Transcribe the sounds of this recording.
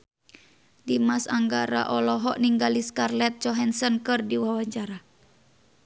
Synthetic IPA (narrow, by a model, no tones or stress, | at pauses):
dimasaŋɡaɾa̰ʔɔlɔɦɔʔniŋɡaliskarlɛt̪̚t͡ʃɔɦɛnsənkɨrdiwawaɲt͡ʃaɾa